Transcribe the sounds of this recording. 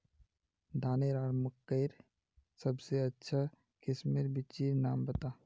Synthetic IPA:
d̪ʱaːneɾaːɾməkːəɪɾ | səbseətːʃʰa | kʰɪsmeɾbit͡ʃiɾnaːmbət̪a

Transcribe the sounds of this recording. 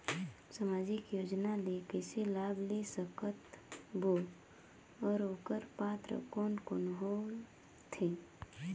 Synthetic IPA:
səmaːd͡ʒɪkjoːd͡ʒnalekeselaːblesəkət̪bo | ɔːɾoːkəɾpaːt̪ɾə̰kɔːnkonɦol | t̪ʰe

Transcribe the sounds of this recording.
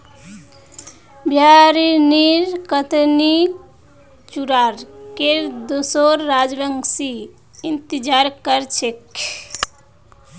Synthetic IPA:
bjaɾiniɾkət̪ni | t͡ʃuɾaɾkeɾd̪osoɾːad͡ʒbəŋɡsi | int̪id͡ʒaɾkəɾt͡ʃʰek

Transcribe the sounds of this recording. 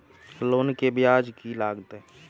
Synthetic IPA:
loːnkebɪjaːd͡ʒkilaːɡt̪e

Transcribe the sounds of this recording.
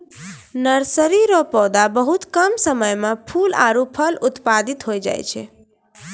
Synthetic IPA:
nəɾsəɾiɾɔpɔd̪abəɦut̪kəmsəməjmepʰula̰ɾupʰəlut̪pad̪it̪ɦojd͡ʒa̰jt͡ʃʰɛ̰

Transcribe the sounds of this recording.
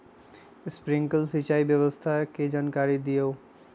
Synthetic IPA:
spɾiŋkəlsit͡ʃaibjəbəst̪ʰaked͡ʒankaɾid̪ijo

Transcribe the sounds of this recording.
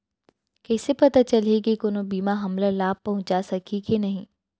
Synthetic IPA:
kɛːsepɐt̪at͡ʃɐlekikoːnobiːmaɦɐmlalaːb̚pɐɦʊ̃t͡ʃasɐkʰikinɐɦĩː

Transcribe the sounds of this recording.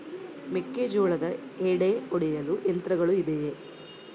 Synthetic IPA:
mekːed͡ʒoːɭɐd̪ɐeːɽeoɽɛjɐluʔent̪ɾɐɡɐɭuid̪eje

